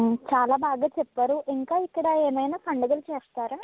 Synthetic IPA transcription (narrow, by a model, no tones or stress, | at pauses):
t͡ʃaːlaːbaːɡaːt͡ʃɛpːɐːɾuʔiŋkaːikːɐɽɐeːmɐjnaːpʰɐɳɖɐɡɐlt͡ʃeːst̪aːɾa